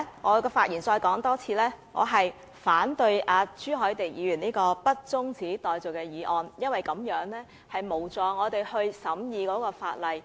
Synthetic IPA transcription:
ŋɔː˨˧kɛː˧faː˧t̚jʔiː˨˩nt͡sɔː˧jkɔː˨˥ŋt̪ɔː˥t͡sʰiː˧lɛː˥ŋɔ̰ː˨˧ɦɐ˨j | faː˨˥nt̪ɵ˧ɥʔaː˨˧t͡ʃyː˥ɦɔː˨˥jt̪e˨˩jjiː˨˧jyː˨˩niː˥kɔː˧pɐ˥t̚t͡sʊ˥ŋt͡siː˨˥t̪ɔː˨˩jt͡so˨˩wkɛː˧jiː˨˧ʔɔː˧njɐ˥nwɐ˨jkɐ˨˥mjœː˨˥ŋlɛː˥ | hɐ˨jmo˨˩wt͡sɔː˨ŋɔː˨˧t̪e˨˩jhɵ˧ɥsɐ˨˥mjiː˨˧kɔː˨˥kɔː˧fa̰ː˧t̚lɐ˨˩j

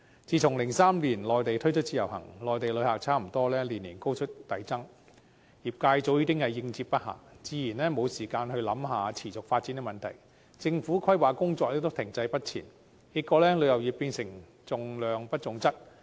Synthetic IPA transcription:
t͡siː˨˧t͡sʰʊ˨˩ŋlɪ˨˩ŋsaː˥mliː˨˩nlɔː˨˩jt̪e˨jt̪ʰɵ˥ɥt͡ʃʰɵ˥t̚t͡siː˧˥jɐ˨˩wɦɐ̰˨˩ŋlɔː˨jt̪e˨jlɵ˨˧˥ɥhaː˨k̚t͡sʰaː˥m̩˨˩t̪ɔː˥lɛː˥liː˨˩nːiː˨˩nko˥wt͡ʃʰɵ˥t̚t̪ɐ˨jt͡sɐ˥ŋ | jiː˨˩p̚kaː˧jt͡so˨˥wjiː˧˥t̪ɪ˥ŋhɐ˨jːɪ˧ŋt͡siː˧p̚pɐ˥t̚ha̰ː˨˩ŋt͡siː˨˧jiː˨˩nlɛː˥mo˨˧wsiː˨˩kaː˧nhɵ˧ɥlɐ˨˥mɦaː˨˧t͡sʰiː˨˩t͡sʊ˨k̚faː˧t̚t͡siː˨˥nɛ˧mɐ˨nt̪ʰɐ̰˨˩j | t͡sɪ˧ŋfuː˨˥kʰwɐ˥jwaː˨˧kʊ˥ŋt͡sɔː˧k̚liː˥t̪ʊ˥kt̪ʰɪ˨˩ŋt͡sɐ˧jpɐ˥t̚t͡sʰḭː˨˩n | kiː˨˧t̚kːɔː˧˥lɛː˥lɵ˨˧ɥjɐ˨˩wjiː˨˩pːiː˧nsɪ˨˩ŋ | t͡sʊ˨ŋlœː˨ŋpɐ˥t̚t͡sʊ˨ŋt͡sɐ˥t̚

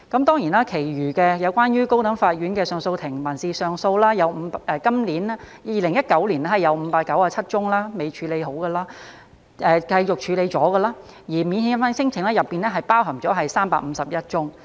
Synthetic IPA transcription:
kɐ˨˥mt̪ɔː˥ŋjiː˨˩naː˥kʰe˨˩jɥyː˨˩kɛː˧jɐ˨˧wkʷaː˥njyː˥ko˥wt̪ɐ˨˥ŋfaː˧t̚ɥyː˨˥nkɛː˧sœː˨ŋso˧wt̪ʰɪ˨˩ŋmɐ˨˩nsiː˨sœː˨˧ŋso˧wlaː˥jɐ˨˧wm̩˨˧ʔɛː˧kɐ˥mliː˨˥n˥ | jiː˨lɪ˨˩ŋjɐ˥t̚kɐ˨˥wliː˨˩na˥hɐ˨jɐ˨˧wm̩˨˧paː˧t̚kːɐ˨˥waː˧t͡sʰɐ˥t̚t͡ʃʊ˥ŋlaː˥me˨˧jt͡ʃʰyː˨˧le˨˧jɦo˨˥wɡɐ˧laː˥ | ʔɛː˨˧kɐ˧jjʊ˨k̚t͡ʃʰyː˨˧le˨˧jt͡sɔː˨˥ɡɐ˧laː˥ | jiː˨˩mi˨˧nhiː˧˥nfaː˨˥nsɪ˥ŋt͡sʰɪ˨˩ŋlɛː˥jɐ˨pːiː˨nlɛ˥ɦɐ˨jpaː˥wɦɐ˨˩mt͡sɔː˨˥ɦɐ˨jsaː˥mpa̰ː˧k̚m̩˨˧˦sɐ˨p̚jɐ˥t̚t͡ʃʊ˥ŋ

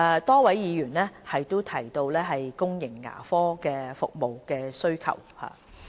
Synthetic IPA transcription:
ɛ˨˧t̪ɔː˥wɐ˨˥jjiː˨˧jyː˨˩nlɛː˥hɐ˨jt̪o˥wt̪ʰɐ˨˩jt̪o˧wlɛː˥ɦɐ˨jkʊ˥ŋjɪ˨˩ŋːa̰ː˨˩fɔː˥kɛː˧fʊ˨k̚mo˨wkɛː˧sɵ˥ɥkʰɐ̰˨˩wha̰ː˨

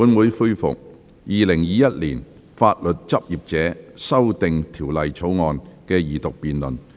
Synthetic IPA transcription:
uː˨˥nwuː˨˧jfu˥jfʊ̰˨k̚ | jiː˨lɪ˨˩ŋjiː˨jɐ˥t̚liː˨˩n | faː˧t̚lɵ˨t̚t͡sɐ˥p̚jiː˨p̚t͡sɛː˨˥sɐ˥wt̪ɪ˨ŋt̪ʰiː˨˩wlɐ˨jt͡sʰo˨˥wŋɔː˨nkɛː˧jiː˨˩t̪ʊ˨k̚piː˨nlɵ˨˩n

